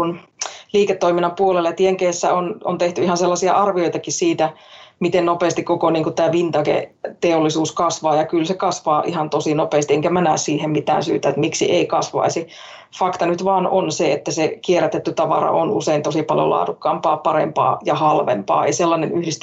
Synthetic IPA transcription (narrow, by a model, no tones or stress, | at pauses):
unliːket̪ːoiminːɑmpuoleljɑt̪ieŋkesːæ̰ono̰nt̪eht̪yihɑnselːɑsiɑ̰ʔɑrʋioijt̪ɑkissiːt̪æmit̪ennopeːst̪ikokoniːŋkut̪t̪æːʋint̪ɑkḛt̪eolːisuːskɑsʋɑːjɑkylsekɑsʋɑːʔihɑnt̪osinopeːst̪ieŋkæmænæːssiːhemmit̪æ̰ːnsyːt̪æet̪miksḭʔeikɑsʋɑ̰isi | fɑkt̪ɑnyt̪ʋɑːnonseet̪ːæsekieræt̪et̪ːyt̪ɑʋɑ̰rɑ̰ʔo̰nuseint̪osipɑljo̰lɑ̰ːdukːɑːmpɑːpɑɾḛmpɑ̰ːjɑhɑlʋḛmpɑ̰ːḛiselːɑnenyhdist̪